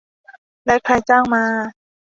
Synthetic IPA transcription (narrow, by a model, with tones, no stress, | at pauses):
daː˦˥˩kʰɾa˧jt͡ɕaː˥˩ŋmaː˧